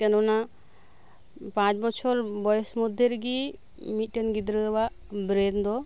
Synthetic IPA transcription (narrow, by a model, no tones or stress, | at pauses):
kənuna | pãt͡ʃbɔt͡ʃʰɔɾbɔjsmɔd̪ʱːeɾɡi | miʈənɡid̪ɾəba | bɾend̪ɔ